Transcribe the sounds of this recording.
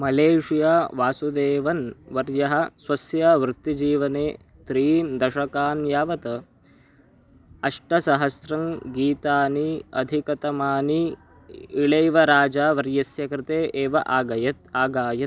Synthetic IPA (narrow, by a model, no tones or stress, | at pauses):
mɐleːʂijaːʋaːsud̪eːʋɐnʋɐɾjɐɦɐ̆sʋɐsjɐʋɾut̪ːid͡ʒiːʋɐneː | t̪ɾiːnd̪ɐʃɐkaːnjaːʋɐt̪ɐ | ɐʂʈɐsɐɦɐsɾɐŋɡiːt̪aːniɐ̰d̪ʱikɐt̪ɐmaːni | iɭejʋɐɾaːd͡ʒaːʋɐɾjɐsjɐkɾɪt̪eːʔeːʋɐʔaːɡɐjɐt̪̚aːɡaːjɐt̪̚